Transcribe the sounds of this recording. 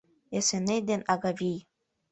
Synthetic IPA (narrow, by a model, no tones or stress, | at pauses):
esenejd̪enɑɡavʲij